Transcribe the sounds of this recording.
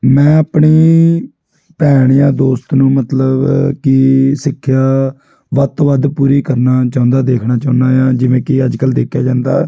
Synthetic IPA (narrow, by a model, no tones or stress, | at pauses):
mɛ̃ːəpɳiː | pɛːɽ̃ɪjãːd̪oːst̪nũːmət̪ləbkɪsɪkʰːjaː | ʋət̪oʋəd̪puːɾiːkəɾnaːt͡ʃãːʊ̃nd̪aːd̪eːkʰnaːt͡ʃaːʊnd̪aːjãːd͡ʒɪʋẽːkɪəd͡ʒkəld̪eːkʰjaːd͡ʒãːnd̪a̰ː